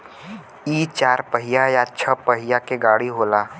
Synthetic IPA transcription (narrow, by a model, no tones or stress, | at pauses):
it͡ʃaːɾpəɦɪjajat͡ʃʰəpəɦijakeɡaːɽiɦoːlaː